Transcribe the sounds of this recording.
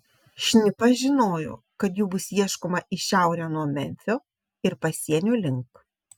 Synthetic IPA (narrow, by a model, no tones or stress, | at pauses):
ʃʲnʲɪpɐʒʲɪnoːjo̰ː | kɐt̪juːbʊsjiɛʃkoːmɐʔɪʃʲɛˑʊɾʲoːnuɔmʲɛ̰nʲfʲoː | ɪɾpɐsʲiɛnʲuːlʲɪŋˑk